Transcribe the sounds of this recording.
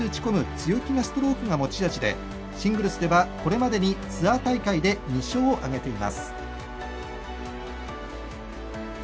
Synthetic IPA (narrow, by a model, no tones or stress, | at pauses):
ɨɯt͡ɕi̥ko̞mɯ̟t͡sɨjo̞kʲinasɨ̥t̪o̞ɾo̞ːkɯ̟ŋamo̞t͡ɕid̪at͡ɕid̪e̞̰ | ɕĩŋɡɯ̟ɾɯ̟sɨd̪e̞βako̞ɾe̞mad̪e̞ɲ̟it͡sɨat̪aikaid̪e̞ɲ̟iɕo̞ːʔaɡe̞t̪e̞ima̰sɨ̥